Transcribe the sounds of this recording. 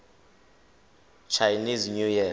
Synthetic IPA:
t͡ʃʰajniznujɛ

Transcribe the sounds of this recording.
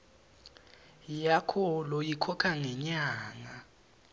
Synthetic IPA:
jakʰɔlojikʰɔkʰaŋɛɲaːŋa

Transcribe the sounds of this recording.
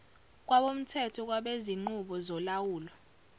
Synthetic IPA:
k̬ʼwaɓom̩tʰɛtʰɔk̬ʼwaɓeziŋ͡ǃuɓɔzɔlawuːlɔ

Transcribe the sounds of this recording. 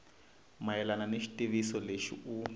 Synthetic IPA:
majɛlananeʃi̥tʼiβisɔleʃḭu

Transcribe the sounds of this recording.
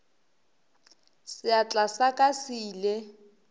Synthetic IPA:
sɪat͡ɬʼasakʼasiːlɛ

